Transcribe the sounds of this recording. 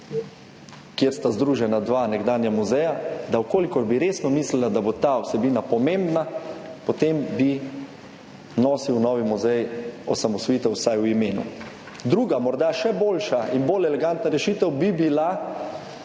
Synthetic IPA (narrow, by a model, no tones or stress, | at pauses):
kjeɾst̪azd̪ɾuːʒɛnad̪ʋanɛɡd̪aːnjamuzɛjad̪awkoːlikɔɾbiɾeːsnɔmislilad̪abot̪aɔsɛbiːnapɔmẽmbnapot̪embi | nɔːsiwnɔːʋimuzɛjɔ̰samɔsʋɔjit̪ɛwsajwimeːnṵ | d̪ɾuːɡamɔɾd̪aʃɛboːlʃainbolɛlɛɡant̪naɾɛʃiːt̪ɛwbibila